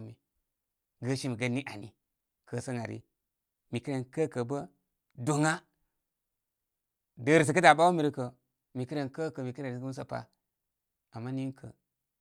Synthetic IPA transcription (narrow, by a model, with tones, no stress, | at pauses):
mi˨ | ɡə˦ʃi˦mi˨ɡə˦ni˦ʔa˨nḭ˨ | kə˦sə˦ŋa˨ɾḭ˦ | mi˨ki˦ɾe˨nkə˦kə˨bə˦ | do˨ŋa˦ | də˨ɾi˨s̬i˨kə˦da˨ɓa˦wu˦mi˨ɾi˦kə˨ | mi˨ki˦ɾe˨nkə˦kə˨mi˨ki˦ɾe˨ɾi˨sɡə˦m˦sa˨pa̰˦ | a˨mːa˦ni˦ŋ˦kʰə̰˨